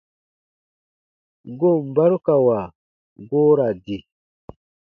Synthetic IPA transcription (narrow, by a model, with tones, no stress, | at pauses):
ɡo˦˨m˨ba˦ɾu˦ka˨wa˨ | ɡoː˦ɾa˨di˨